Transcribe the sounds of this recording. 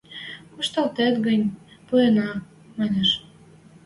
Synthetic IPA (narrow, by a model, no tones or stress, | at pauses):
kuʃt̪ɑlt̪et̪ɡənʲpuenɑ | mɑneʃ